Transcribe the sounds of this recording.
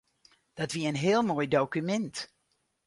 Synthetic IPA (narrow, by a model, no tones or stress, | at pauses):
d̥ɑtʋiənɦɪːlˠmoːjdowkymɛnt